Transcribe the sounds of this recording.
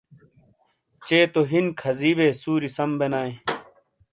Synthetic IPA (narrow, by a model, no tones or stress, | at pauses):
t͡ɕeːt̪oɦinkʰɐziːbeːsuːɾisɐmbenaːẽ